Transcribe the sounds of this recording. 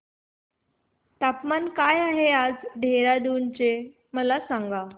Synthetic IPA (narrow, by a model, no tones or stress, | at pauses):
t̪apmankajaɦead͡zɖʱeɾad̪unt͡ɕe | məlasãŋɡa